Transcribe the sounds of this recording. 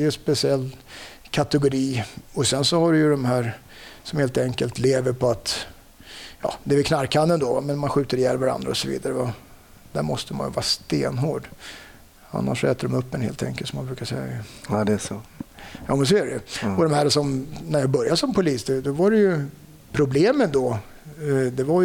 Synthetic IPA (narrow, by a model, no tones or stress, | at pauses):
ɛjɵspɛsɪɛlː | kʰat̪ɛɡʊɾiːɔsɛnsɔhaɖɛjɵd̪ɔmɦæːɾ | sɔmheːlt̪ɛŋkəlt̪leːvəɾpʰɔat̪ | jɑ̰ːd̪ɛːvɪkʰnaɾkʰanɛnd̪oːvmɛnmanɧʉ̟ːt̪əɾɪjɛlvaɾa̰nd̪ɾa̰ɔsɔvḭːd̪aɾəva | d̪̥æɾmɔst̪əma̰njə̰vɑ̰ːɾast̪eːnɦoːɖ | a̰nːa̰ʂɔɛːt̪əɖɔmɵpːɛnhḛːlt̪ʰɛ̰ŋkəlsɔmanbɾʉ̟ːkaʂɛjːa̰dɛ | jɑːʊnsɔæɖɛɔd̪ɔmhæːɾsɔmnæɾjɑːbœɾjad̪sɔmpʊliːsd̪d̪ɔvaɾɛjɵ | pʰɾʊbleːmənd̪ɔ | d̪ɛvaj